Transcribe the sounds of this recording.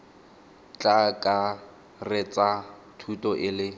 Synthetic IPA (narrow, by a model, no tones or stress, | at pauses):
t͡ɬʼakʼa | rɪt͡sʼa | tʰutʼɔʔɪlɪ